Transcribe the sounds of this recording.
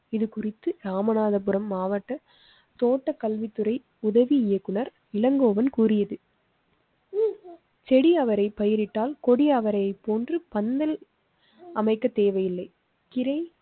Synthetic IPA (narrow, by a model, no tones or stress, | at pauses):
ɪðɯkʊrɪt̪ːɯɾaːmɐnaːðɐp̬ɯɾɐmːaːʋɐʈːɐ | t̪oːʈːɐkɐlʋɪt̪ːɯɾɐɪ | ʊðɐʋiɪjɐkːɯnɐɾ | ɪlɐŋɡoːʋɐnkuːrɪjɐðɯ | t͡ʃɛɽiɐʋɐɾɐɪpɐjɪɾɪʈːaːlkɔɽɪɐʋɐɾɐɪpːoːndrɯpɐnd̪ɐl | ʔɐmɐɪkːɐt̪ːeːʋɐjɪlːɐɪ | kɪɾɐɪ